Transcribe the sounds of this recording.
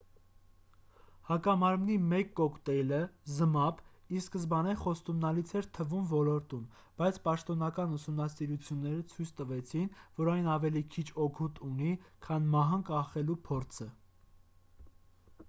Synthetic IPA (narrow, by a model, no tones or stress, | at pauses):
hɑkɑmɑɾmnimɛkːɔkt̪ɛləzəmɑpiskəzbɑnɛχɔst̪umnɑlit͡sʰɛɾt̪ʰəvumvɔlɔɾt̪um | b̥ɑjt͡sʰpɑʃt̪ɔnɑkɑnusumnɑsiɾut͡sʰjunːɛɾət͡sʰujt͡sʰt̪əvɛt͡sʰinvɔɾɑjnɑvɛlikʰit͡ʃʰɔkʰut̪unikʰɑnmɑɦɑŋkɑχɛlupʰɔɾt͡sʰə